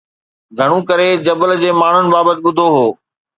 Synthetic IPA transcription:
ɡʱɐɽ̃ũkɐɾed͡ʑɐbəld͡ʑeːmaːɳ̤ʊnɪ̆baːbət̪ɪɓʊd̪ʱoɦoː

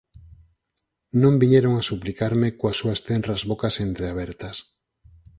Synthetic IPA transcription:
nõmbiɲeɾoŋasuplikaɾmɪkoasːuɐst̪ɛnrɐzβokasent̪ɾeaβ̞ɛɾt̪ɐs

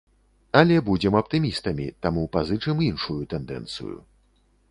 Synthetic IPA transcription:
ɐlʲɛbud͡zʲɛmɐpt̪ɨmʲist̪ɐmʲḭt̪amupazɨt͡ʂɨminʂujut̪ɛnd̪ɛ̰nt̪sɨ̰jṵ

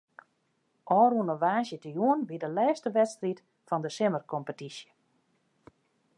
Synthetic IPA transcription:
ʔɔːruənəʋaːsjətəjuənʋidəlɛːstəʋɛtstrit | fɔndəsɪmərkɔmpətisjə

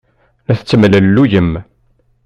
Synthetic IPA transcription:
næθət͡sːəmlælːujəm

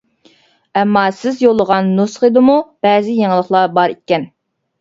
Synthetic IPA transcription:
ɛmːɑsɪzjolˠːəʁɑnːusχed̪ɪmub̥ɛzɪjeŋəlˠəχlˠɑbɑɾikʲːɛn

